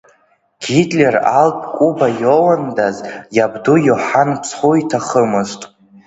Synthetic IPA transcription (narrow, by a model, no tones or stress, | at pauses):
ɡ̥idʼlʲera̰lpʼkʷʼubajowandazjabdujoħanpʰsʰχuitʰaχəmɨztʼ